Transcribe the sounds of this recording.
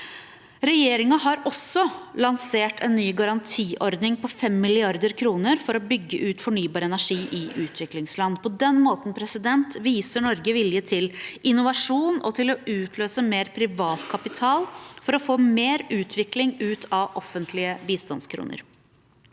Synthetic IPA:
ɾɛjeːɾɪŋɑɦɑɾɔsɔlɑnseːʈʰɛnːyːɡɑɾɑnt̪ʰiːʔɔɾd̪nɪŋpʰɔfɛmːɪlɪɑɾd̪əɾkʰɾuːnəɾfɔɾɔbʏɡːəʔʉːt̪fɔɳyːbɑːɾəɛnæʂiːʔɪʔʉːt̪ʰʋɪklɪŋslɑnːpʰɔd̪ɛnːmoːt̪n̩pʰɾɛsɪd̪ɛnt̪ʋiːsəɳɔɾɡəʋɪljət̪ʰɪlʔɪnʊʋɑʂuːnɔt̪ʰɪlɔʉːt̪ʰløːsəmeːɾpʰɾɪʋɑːt̪kʰɑpɪt̪ʰɑːlfɔɾɔfoːmeːɾʉːt̪ʰʋɪklɪŋʉːt̪ʰɑʔɔfːənt̪ʰlɪəbiːst̪ɑnskʰɾṵːnə̰ɾ

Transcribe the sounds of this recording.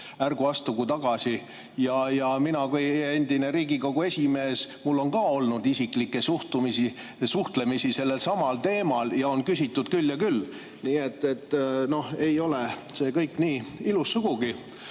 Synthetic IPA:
ærɡ̥uɑst̪uɡut̪ɑɡ̥ɑsʲi | jɑjɑminɑkuje̞nd̪̥ine̞ɾiːɡiko̞ɡ̥ue̞sʲime̞ːsmulːo̞nkɑːo̞lnud̪isiklikːˑe̞suht̪umisi | suht̪le̞misise̞lːe̞lsɑmɑlt̪e̞ːmɑljɑo̞nkysʲit̪ːˑud̪̥kylːjɑkylː | niːe̞t̪ːe̞t̪ːno̞he̞jo̞le̞se̞ːkɤjkːniːilusːuɡ̥uɡ̥i

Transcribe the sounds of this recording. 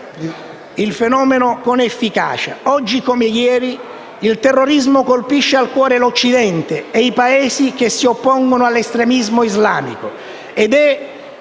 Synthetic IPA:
ilfenɔːmenokonefːika̰ːt͡ʃa̰ɔd͡ʒːikomejɛːɾi | ilt̪erːoɾizmokolpiʃːealkwɔːɾelot͡ʃːid̪ɛnt̪eeipaeːsik̟esːiopːɔŋɡonoalːest̪ɾemizmoizlaːmḭko | ed̪ɛ

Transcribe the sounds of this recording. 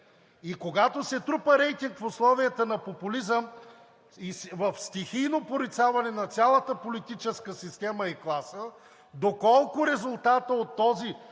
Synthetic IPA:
ikoɡat̪osɛt̪ɾupəɾɛjt̪iŋkfʊslˠɔvijət̪ənɐpopʊlizəm | isvəfst̪ixijnopoɾit̪savɐnɛnɐt̪sʲjalˠət̪əpolit̪it͡ʃɛskəsist̪ɛmɐiklˠasə | d̪okɔlˠkʊɾɛzʊlˠt̪at̪əot̪ːɔzi

